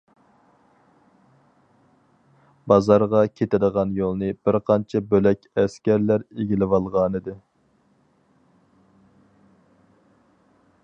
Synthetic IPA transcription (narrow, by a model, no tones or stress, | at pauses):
bɑzɑɾʁɑkʲʰet̪ʰɪd̪əʁɑnjolˠnɨbɪɾqʰɑnt͡ʃʰɛbølɛkʲɛskʲæɾlæɾeɡʲilɪwɑlˠʁɑnɨd̪ɨ